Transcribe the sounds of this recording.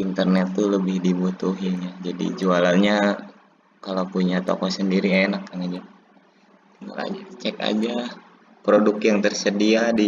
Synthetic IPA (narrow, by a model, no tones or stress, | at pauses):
int̪ərnɛt̪ːuləbɪhdibut̪uɦijad͡ʒadḭd͡ʒualaɲa | kalapuɲat̪o̰kɔsəndiɾienakjaŋad͡ʒa | t̪iŋɡa̰la̰d͡ʒat͡ʃɛka̰d͡ʒa | pɾodʊkjaŋt̪ərsədiadi